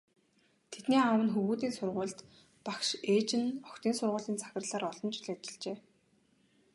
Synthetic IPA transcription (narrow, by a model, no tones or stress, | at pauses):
t̪ʰet̪niːawə̆nxuɣuːt̪̬iːnsʊrʁʊ̟ːɮt̪ | pakʃeːt͡ɕɪ̆nɔkt̪iːnsʊrʁʊːɮiːnt͡sʰḁxʲɪ̆rɮaːɾɔɮɞ̆nt͡ɕɮet̪ɪ̆ɮt͡ɕeː